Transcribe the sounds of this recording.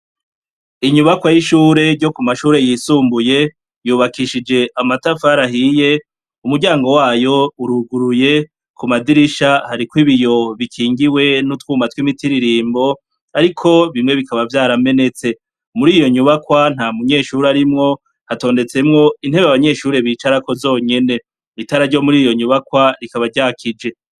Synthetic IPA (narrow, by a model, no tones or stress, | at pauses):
iɲuβakwajiʃuːɾe̞ɾɟo̞kumaʃuːɾe̞jiːsuːmbuje̞ | juːβakiʃid͡ʒe̞ʔamatafaɾaɦije̞ | umuɡɟaːŋɡo̞waːjo̞uɾuɡuɾuje̞ | kumadiɾiʃahaɾikwiβijo̞βikʰiːŋɡiwe̞nutwuːmatwimitiɾiɾiːmbo̞ | aɾikʰo̞βimŋe̞βikaβavjaːɾame̞ne̞t͡se̞ | umuɾiːjo̞ɲuβakwan̥hamuɲe̞ʃuɾaɾimŋo̞ | hato̞ːnde̞t͡se̞mŋo̞in̥e̞βaβaɲe̞ːʃuːɾe̞βiːt͡ʃaɾako̞zo̞ːɲe̞ne̞ | itaɾaɾɟo̞muɾiːjo̞ɲuβakwaɾikaβaɟaːkʰid͡ʒe̞